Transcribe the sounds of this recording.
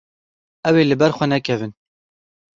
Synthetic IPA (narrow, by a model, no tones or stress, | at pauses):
ɛweːlɨbɛɾxʷɛnɛkʰɛvɨn